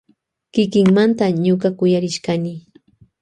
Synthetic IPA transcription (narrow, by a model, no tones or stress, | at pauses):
kɪkɪŋmant̪aɲokakʊjaɾɪʃkanɪ